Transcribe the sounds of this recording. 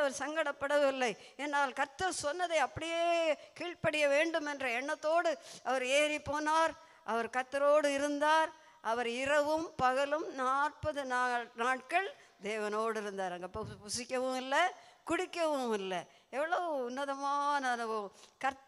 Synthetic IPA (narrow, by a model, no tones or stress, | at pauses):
ɐʋɐɾsɐŋɡɐɽɐpːɐɽɐʋɪlːɐɪ | ɛnːaːlkɐɾt̪ːɐɾsɔnːɐðɐɪɐpːɐɽɪjeːkiːɭpɐɽɪjɐʋeːɳɖɯmɛndrɐɛɳːɐt̪ːoːɽɯɐʋɐɾeːɾipːoːnaːɾ | ʔɐʋɐɾkɐɾt̪ːɐɾoːɽɯɪɾɯnd̪aːɾ | ʔɐʋɐɾɪɾɐʋɯmpɐɣɐlɯmnaːʈ̚pɐðɯnːnaːʈ̚kɐɭ | d̪eːʋɐnoːɽɯɪɾɯnd̪aːɾɐŋɡɐpːɐpʊsɪkːɐʋɯ̃ɪlːɐkʊɽɪkːɐʋɯ̃ɪlːɐ | ɛʋːɐɭɐʋɯʊnːɐðɐmaːnɐnɐʋɯkɐɾt̪